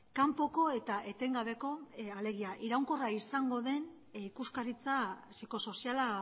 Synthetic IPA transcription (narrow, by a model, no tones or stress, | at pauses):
kampo̞ko̞e̞t̪aʔe̞t̪e̞ŋɡaβ̞e̞ko̞ale̞ɣiaʔiɾawŋko̞raisaŋɡo̞ðe̞n | ikuskaɾit͡sasiko̞so̞siala